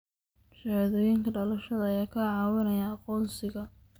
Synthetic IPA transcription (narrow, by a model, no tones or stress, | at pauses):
ʃɐhaðɔːjɪŋkʰɐɖɐlɐʃɐðɐɐjaːkʰɐʕɑːwɪnɐjaːqɔːnsɪɣɐ